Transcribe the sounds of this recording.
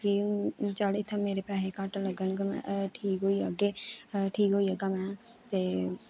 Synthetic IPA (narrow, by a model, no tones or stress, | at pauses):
kit͡ʃaːɽeɪt̪ʰːãmeːɾepaːɦekaːʈləɡəñkəmɛ̰̃ʔʈʰiːkɦoiəɡeʈʰiːkɦoiəɡamɛ̃ː | t̪eː